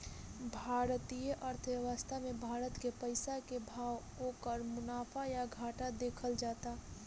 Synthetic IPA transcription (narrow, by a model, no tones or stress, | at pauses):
bʱaːɾt̪ijəʔəɾt̪ʰəʋjəʋəst̪ʰamẽbʱaːɾət̪kepəɪsakebʱaːwɦoːkəɾmʊnaːfʰajaɡʱaːʈad̪eːkʰəld͡ʒaːt̪a